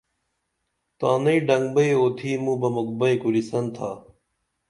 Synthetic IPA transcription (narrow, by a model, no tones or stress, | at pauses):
t̪ãːnɐiɖɐŋɡbɐioːt̪ʰiːmũːbɐmuk̚bɐikuɾisɐnt̪ʰaː